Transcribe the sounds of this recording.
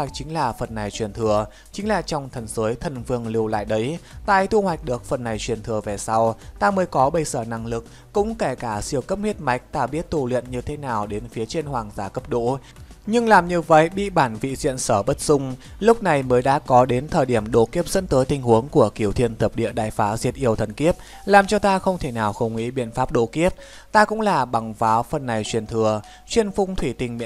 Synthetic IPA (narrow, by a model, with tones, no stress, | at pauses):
a˨˩jk̚t͡ɕï˨˦ŋ̟laː˨˩fə˨˩nːa˨˩jt͡ɕwi˨˩ənt̪ʰɨ˨˩ə | t͡ɕï˨˦ŋ̟laː˨˩t͡ɕɔ˧wŋ͡mt̪ʰə˨˩nzəː˨˦jt̪ʰə˨˩nvɨ˧˩əŋlɨ˧˩əwla̰ː˧˨jɗə˨˦jt̪a̰ː˧˨jt̪ʰu˧hwa˨˩jk̟̚ɗɨ˨˩ək̚fə˨˩nːa˨˩jt͡ɕwi˨˩ənt̪ʰɨ˨˩əve˨˩sa˧wt̪aː˧məː˨˦jkɔ˨˦ɓə˧˩jsəː˧˩na˧˩ŋlɨ˨˩k̚ | kʊ̰˧˥ŋ͡mkɛ˧˩kaː˧˩sḭ˧˨əwkə˦˥p̚hwi˦˥ət̚ma˨˦jk̟̚t̪aː˧˩ɓi˦˥ət̚t̪u˧˩lḭ˧˨ənɲɨ˧t̪ʰe˨˦naː˨˩wɗe˨˦nfi˨˦ət͡ɕe˧nhwaː˨˩ŋzaː˧˩kə˦˥p̚ɗo̰˧˥ | ɲɨ˧ŋlaː˨˩mɲɨ˧və̰˧˨jɓḭ˧˨ɓaː˧˩nvḭ˧˨zḭ˧˨ənsəː˧˩ɓə˦˥t̚z̥ʊ˧ŋ͡mlʊ˦˥k͡p̚na˨˩jməː˨˦jɗa̰ː˧˥kɔ˨˦ɗe˨˦nt̪ʰəː˨˩jɗi˧˩əmɗo̰˧˥ki˦˥əp̚z̥ə̰˧˥nt̪əː˨˦jt̪ï˨˩ŋ̟hu˨˦əŋku˧˩əki˧˩əwt̪ʰi˧˨ənt̪ʰə˨˩p̚ɗḭ˧˨əɗaː˧˨˩jfaː˨˦zi˨˩ət̚ʔi˧˩əwt̪ʰə˨˩nki˦˥əp̚ | laː˨˩mt͡ɕɔ˧t̪aː˧xə˧wŋ͡mt̪ʰe˧˩naː˨˩wxə˧˩wŋ͡mŋḭ˧˥ɓḭ˧˨ənfaː˦˥p̚ɗo̰˧˥ki˦˥əp̚ | t̪aː˧kʊ̰˧˥ŋ͡mlaː˨˩ɓa˨˩ŋfaː˨˦wfə˨˩nːa˨˩jt͡ɕwi˨˩ənt̪ʰɨ˨˩ə | t͡ɕwi˧˩ənfʊ˧ŋ͡mt̪ʰwi˧˩t̪ï˨˩ŋmḭ˧˨